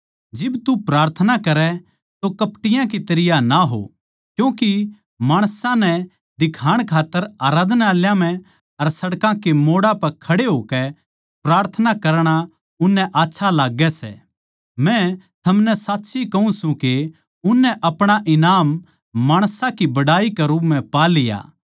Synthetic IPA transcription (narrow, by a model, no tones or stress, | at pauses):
d͡ʒɪbt̪upɾaːɾt̪ʰənakɐɾɛ | t̪okɐpʈɪjãk̬it̪ɐɾɪjanaɦo̰ | kjũːki | maːɽ̃sãnɛ | d̪ɪkʰaːɽ̃kʰaːt̪ːəɾaːɾaːd̪naːljãmɛ̃ | ɐɾsɐɽkãkemoːɽapɐɾkʰɐɽeɦoːkɛ | pɾaːɾt̪ʰənakɐɾɽ̃a | ʊnːɛ̃ʔaːtːʃʰalaːɡɛsɛ̰ | mɛ̃ | t̪ʰɐmnɛsaːtːʃʰikɐũsũke | ʊnːɛʔɐpɽ̃aʔɪnaːmː | aːɽ̃sãkibɐɽaːikɛɾupmɛ̃paːlɪja̰ː